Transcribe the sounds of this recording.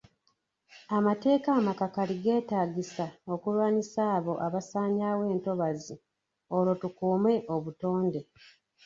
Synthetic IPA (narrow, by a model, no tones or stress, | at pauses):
amate̞ːkamakakaliɡe̞ːtaːɟisao̞kulwaːnisaːβo̞ʔaβasaːɲaːwe̞ːnto̞βazi | o̞lo̞tukuːme̞ʔo̞βuto̞ːnde̞